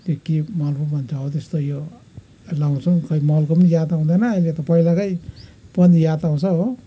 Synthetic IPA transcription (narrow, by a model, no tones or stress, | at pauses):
t̪okimʌlbumʱʌnt͡sʰaɦot̪est̪ojo | lawnt͡sʰukʌimʌlkopnijat̪aũd̪anʌːlet̪ɔpʌilakʌipʌnd̪ijat̪aũt͡sʰʌɦo